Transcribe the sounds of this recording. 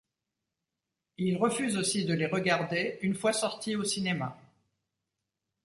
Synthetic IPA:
ilʁəfyzosid̪əleʁəɡaʁd̪eynfwasɔʁt̪iosinema̰

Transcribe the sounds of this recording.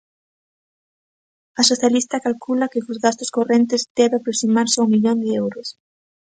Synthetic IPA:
ɐsoθjalist̪ɐkalkulɐkɪkozɣast̪ʊskorent̪ɪzd̪ɛβeapɾosimaɾsumiʎond̪ɪɛwɾʊs

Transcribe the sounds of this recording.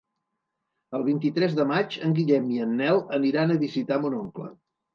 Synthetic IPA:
əlˠβ̞int̪it̪ɾɛzðəmat͡ʃəŋɡiʎɛmiənːɛlˠəniɾanəβizit̪amunoŋklə̰

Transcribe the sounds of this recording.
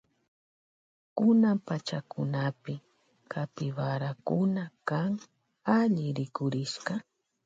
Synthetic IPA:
kʊnampat͡ʃakʰʊnapɪ | kʰat̪ɪwaɾakʊnakaŋ | aʎɪɾɪkʊɾɪʃkɑ

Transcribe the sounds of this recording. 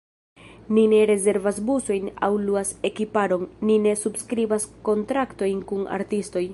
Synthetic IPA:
nine̞ɾe̞ze̞ɾvasbuso̞jna̰wluase̞kipaɾo̞nːine̞subskɾibasko̞ntɾakto̞jnkuna̰ɾtisto̞j

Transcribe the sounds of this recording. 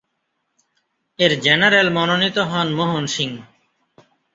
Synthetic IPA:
eɾd͡ʒɛnəɾelmɔnonit̪oɦɔnmoɦonʃiŋ

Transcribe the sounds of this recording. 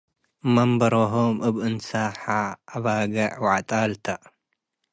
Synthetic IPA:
mɐmbɐɾoɦomʔɨβɨnsaħaːβaɡɐʕwaʕt̪ʼalt̪ʰɐʔ

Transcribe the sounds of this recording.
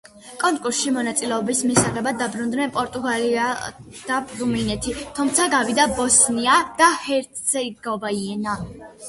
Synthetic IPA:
kʼɔŋkʼuɾsʃimɔnat̪sʼilɛɔbismisaʁɛbad̪ːabɾund̪nɛnpʼɔɾt̪ʼuɡaliad̪̥abɾumlinɛt̪ʰit̪ʰumt̪sʰaɡavid̪abɔsniad̪̥ahɛɾt̪ʰsɛiɡɔbaiɛna

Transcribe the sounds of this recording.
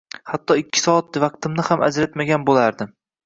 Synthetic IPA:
hat̪ʰːɒɪkʲʰːɪ̥sɒat̪vɑq̚t̪ɪmnɪhama̰d͡ʒɾat̪maɡʲanbolaɾd̪ɪm

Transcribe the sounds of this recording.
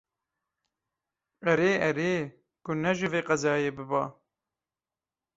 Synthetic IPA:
ʔɛɾeːʔɛɾeː | kʊnɛʒɪveːqɑzɑːjeːbɨbɑː

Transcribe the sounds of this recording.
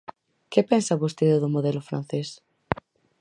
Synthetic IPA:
kepɛnsɐβost̪eðʊðʊmoðɛlʊfɾa̰n̟θes

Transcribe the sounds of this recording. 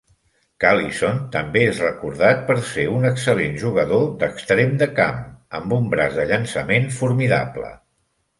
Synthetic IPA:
kalisont̪əmbeezrəkuɾðat̪̚pəɾseunəksəlenʒuɣ̞əðod̪əkst̪ɾemd̪əka̰məmbumbɾazd̪əʎənsəmenfuɾmiða̰plə̰

